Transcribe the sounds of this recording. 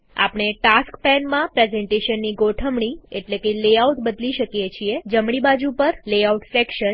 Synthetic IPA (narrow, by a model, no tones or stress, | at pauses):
a̰pɳ̃eʈaskpɛnmãpɾezeɳʈeʃənːiɡoʈʰəmɳ̃ieʈlekeleauʈ̪bəd̪liʃəkjet͡ʃʰied͡ʒəmɽibad͡ʒupəɾleauʈsekʃən